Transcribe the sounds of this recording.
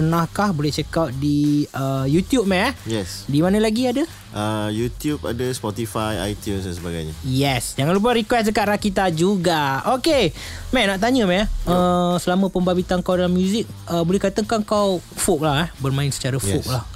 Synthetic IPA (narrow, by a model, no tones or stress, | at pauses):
pərnahkahbolɛht͡ʃɛkawt̪̚diəjut̪jup̚mɛjɛsdimanə̃laɡiadə | ʔəjut̪jup̚a̰dəspɔt̪ifaja̰jt̪junsdɛnsəbaɡa̰jɲə̰jɛsd͡ʒaŋãnlup̬əɾikwɛsdəkaʔ̪ɾakit̪̬ad͡ʒuɡaoke | mɛnaʔt̪aɲə̃mɛʔəsəlamə̃pəmbabit̪aŋkawdalamːjuzɪk̚ | əbolɛhkat̪əkaŋkawfok̚lahɛhbərmãɪnsə̥t͡ʃaɾafok̚lah